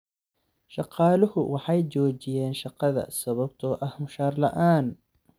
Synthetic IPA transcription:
ʃɑqɑːlʊhʊwɑħɑjt͡ʃɔːt͡ʃɪjɛːnʃɑqɑðɐ̰sɐβɐbt̪ʰɔːʔɐhmʊʃaːrlɐ̰ʔaːn

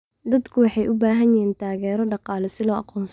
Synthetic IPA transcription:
d̪ɐd̪kʰʊwɑħɑjʔʊbaːɦɐnjɪɦiːnt̪ʰaːɣɛːɾɔɖɑqɑːlɛsɪlɔːʔɑqɔːns

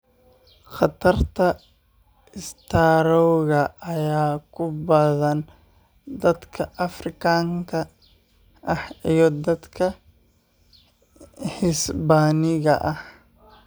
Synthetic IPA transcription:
qɑt̪ʰɐrt̪ʰɐ | ɪst̪ʰaːɾɔwɣɐʔɐjaːkʰʊbɐðɐn | d̪ɐd̪kʰɐʔɐfrɪkʰaːŋkʰɐ | ʔɐhijɔd̪ɐd̪kʰɐ | hɪsbaːnɪɣɐ̰ʔɐh

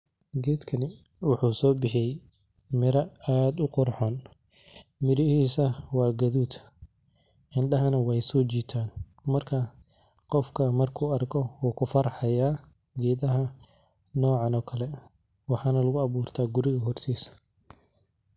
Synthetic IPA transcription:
ɡɛːd̪kʰɐnɪ | wʊħuːsɔːbɪħɪjɛj | mɪɾɐaːd̪ʊqɔrħɔːn | mɪɾɪhiːsɐwɑːɡɐðuːt̪ | ʔɪnɖɐɦɐnɐwɛjsɔːt͡ʃiːt̪ʰaːn | mɐrkʰɐ | qɔfkʰɐmɐrkʰuːɐrkʰɔwɔːkʰʊfɐɾħɐjaː | ɡɛːðɐɦɐ | nɔːʕɑnɔːkʰɐlɛ | wɑħɑːnɐlɐɣʊɐβuːrt̪ʰaːɡʊɾɪɣɐɦɔrt̪ʰiːsɐ̥

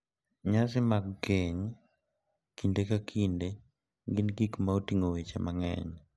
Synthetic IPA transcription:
ɲas̬ɪmaɡːeɲ | kindekakʰinde | ɡɪnɡikmaotiŋowet͡ʃḛmaŋɛ̰ɲ

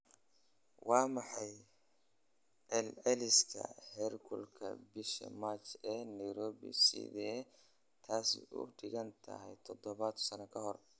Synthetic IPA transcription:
wɑːmɑħɑj | ʕɛlʕɛlɪskʰɐ̰hɛrɡʰʊlkʰɐ̰bɪʃɐ̰maːt͡ʃɛːnɐjɾɔːβḭsɪ̰ðɛː | t̪ʰaːsɪ̰ʊ̰ɖɪɣɐnt̪ʰɐ̰ɦɛjt̪ʰɔd̪ɔβɐd̪sɐnɛkʰɐɦɔr

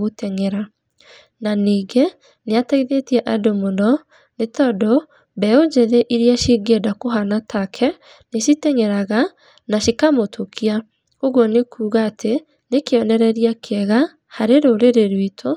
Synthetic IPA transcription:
ɣotɛŋɛɾa | naniːɡe | neataiðetiɛʔadomondɔ | netɔdɔ | bɛod͡ʒeðɛʔiɾiaʃiɡedakoɦanatʰakʰɛ | neʃitɛŋɛɾaɣa | naʃikamotʰokʰia | oɣwɔnekʰuːɣaːtʰe | nekeɔnɛɾɛɾiakʰɛɣa | haɾeɾoɾeɾeɾwitʰo

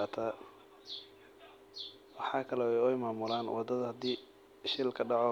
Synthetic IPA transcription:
aːt̪ʰa | wɑħɑːkʰɐlɛɛjɔjmaːmʊlaːnwɑd̪ɐðɐhɐd̪iː | ʃɪlkʰɐɖɑʕɔ

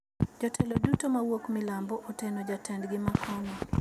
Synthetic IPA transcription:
d͡ʒɔtʰɛlodutomawokmɪlambɔʔotenɔd͡ʒatɛndɡɪmakʰɔnɔ

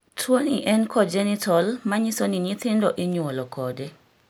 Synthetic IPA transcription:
tʰwoniʔɛnkʰɔd͡ʒɛnɪtʰɔlmaɲisoniɲɪt̪ɪndɔʔɪɲwolɔkʰɔde

